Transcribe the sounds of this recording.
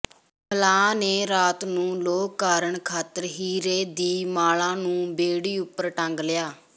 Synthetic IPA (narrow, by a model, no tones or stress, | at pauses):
pʰəlãːneːɾaːt̪nũːloːkkːaːɾəɳkʰaːt̪əɾɦiːɾeːd̪iːmaːlãːnũːbeːɽiːʊpːəɾʈə̃ŋɡlɪjaː